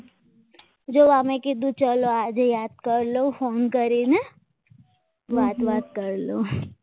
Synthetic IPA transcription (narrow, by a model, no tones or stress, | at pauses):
d͡ʒoːʋaːmẽkid̪ut͡ʃəloaːd͡ʒejaːd̪̚kəɾlofoːnkəɾine | ʋaːt̪ʋaːt̪̚kəɾlo